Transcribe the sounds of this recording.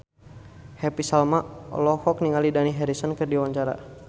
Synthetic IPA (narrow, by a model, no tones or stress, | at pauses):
hɛpisalmaʔɔ̰lɔhɔk̚niŋalidaniɦɛɾisɔnkɨrdiwaɲt͡ʃaɾa̰